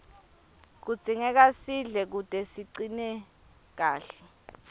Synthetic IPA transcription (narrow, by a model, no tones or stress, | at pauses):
k̬ud̥z̥ʱiŋɛk̬asiɮɛk̬ud̥ʼʱɛsiǀinɛ | k̬aːɬɛ̥